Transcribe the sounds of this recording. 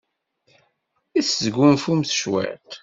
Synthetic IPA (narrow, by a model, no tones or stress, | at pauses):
iszɡunfumθəʃwæ̰t̪